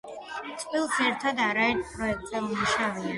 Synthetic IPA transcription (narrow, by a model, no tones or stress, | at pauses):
t̪sʼvilˠsɛɾt̪ʰad̪aɾaɛɾt̪ʰpʰʼɾɔɛk̚t̪ʼzɛmmuʃavia